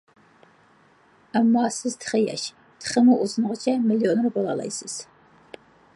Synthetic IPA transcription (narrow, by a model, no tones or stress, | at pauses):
amːɑːsɨztʰχəjɛ̰ʃ | tʰχəmɨʔuzɨnɨʁʷət͡ʃʼʰɐmilionrbola̰lɐ̰jsɨs